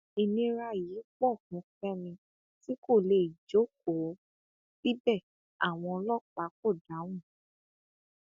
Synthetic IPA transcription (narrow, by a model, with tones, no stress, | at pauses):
i˨nĩ˧ɾa˧jiː˨˦k͡pɔ˦˨kũ˨˦fɛ˦nĩ˧ | ti˦ko˦˨le˧i˨d͡ʒo˨˦ko˨˦ | bi˦bɛ˦˨ | a˨w̃ɔ̃˧ɔ˧lɔ˦k͡pa˨˦ko˦˨da˨˦w̃ũ˦˨